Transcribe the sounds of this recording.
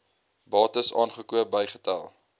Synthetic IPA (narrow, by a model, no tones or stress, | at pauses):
bɑːtəsɑːnχəkuəbəjχə̥tæ̰lˠ